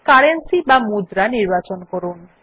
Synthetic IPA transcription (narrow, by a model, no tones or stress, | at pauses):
kaɾensibamud̪ɾaniɾbat͡ɕonkoɾun